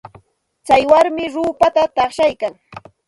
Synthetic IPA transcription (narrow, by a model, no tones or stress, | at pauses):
t͡sajwaɾmɪɾuːpat̪at̪ɑχʃajkaŋ